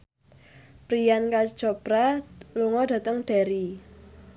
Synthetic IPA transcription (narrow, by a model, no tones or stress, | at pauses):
pɾijankḁd͡ʒ̥ɔb̥ɾaluŋɔdä̤t̪əŋɖ̥aɾi